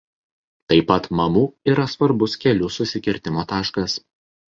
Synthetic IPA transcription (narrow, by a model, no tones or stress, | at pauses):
t̪ɐɪpɐt̪mɐmuːiːɾɐsʋɐɾbʊskʲɛlʲʊsʊsʲɪkʲɪɾʲt̪ʲɪmoːt̪ɑːʃkɐs